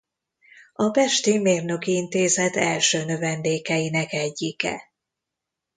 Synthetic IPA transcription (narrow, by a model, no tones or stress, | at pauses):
ɒbɛʃt̪imeːrnø̞kiint̪eːzɛt̪ɛlʃøːnø̞vɛnd̪eːkɛjinɛkɛɟːikɛ̰